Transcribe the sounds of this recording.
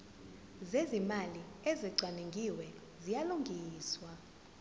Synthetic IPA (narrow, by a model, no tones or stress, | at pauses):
zezimaliɛziɡ͡ǀʱwaneŋɡʱiwɛ | zijaluŋɡʱiːswa